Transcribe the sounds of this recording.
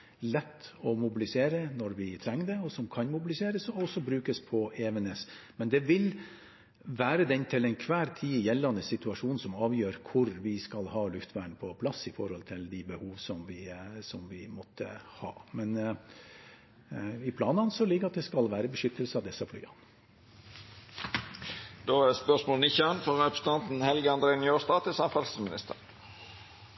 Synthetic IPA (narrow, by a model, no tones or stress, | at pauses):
lɛt̪ːɔmʊbɪlɪseːɾənɔɾʋɪt̪ʰɾɛŋːd̪ɛɔsɔmkʰɑnmʊbɪlɪseːɾəsɔɔsːɔbɾʉːkəspʰɔeːʋənɛs | mɛnd̪ɛʋɪl | ʋæːɾəd̪ɛnt̪ʰɪlɛnkʰʋæːɾt̪ʰiːjɛlːɑnd̪əsɪt̪ʉɑʂuːnn̩sɔmɑːʋjøːɾkʰʊɾʋɪskɑlhɑːlʉft̪ʰʋæːɳpʰɔpʰlɑsːɪfɔɾhɔlt̪ʰɪld̪ɪbəhuːʋsɔmʋɪsɔmʋɪmɔt̪ʰːə̰hɑ̰ːmɛn | ɪpʰlɑːnɑnsɔlɪɡəɑt̪̚d̪ɛskɑlʋæːɾəbəʂʏt̪ːəlsəɑʋd̪ɛsːɑfly̰ːɑn | d̪oːæspœsmoːlnɪçɑnfɔɾɛpɾəst̪ʰɑnt̪n̩hɛlɡəɑnd̪ɾeːnjoːst̪ɑːt̪ʰəsɑnfɑlsəsmɪnɪ̰st̪əʁ